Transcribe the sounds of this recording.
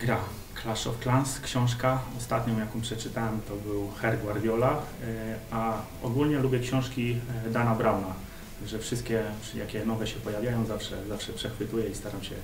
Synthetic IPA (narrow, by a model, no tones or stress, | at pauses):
ɡɾa | klaʂɔ̰fklanskɕɔ̃w̃ʂ̬kaɔst̪at̪ɲɔ̃w̃jakɔ̃pʂɛt͡ʂɘt̪awɛmt̪ɔbɘwxɛɾɡwaɾd̪ʲjɔla | a | ɔ̰ɡulɲɛlubʲjɛkɕɔ̃w̃ʂkʲid̪anabɾawna | t̪aɡʐɛfʂɘst̪̚kʲɛ | jʔa̰kʲɛnɔvɛɕɛpɔjavʲjajɔ̃w̃zafʂɛ̰zafʂɛpʂɛxfɘt̪ujɛist̪aɾamɕɛ